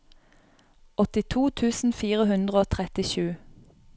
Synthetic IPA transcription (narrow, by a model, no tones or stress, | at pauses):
ɔt̪ɪt̪ʰuːt̪ʰʉːsn̩fiːʁəhʉnd̪ʁəoːt̪ʰʁɛt̪ɪʃʉː